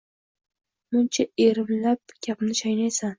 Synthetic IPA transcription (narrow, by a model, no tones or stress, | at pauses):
mʊnt͡ʃʰaeɾɪmlap̚ɡʲʰapɪmnɪʃajnajsan